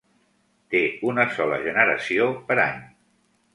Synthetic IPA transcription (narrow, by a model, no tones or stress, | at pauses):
t̪eunəsɔlə̰ʒənəɾə̰siopəɾaɲ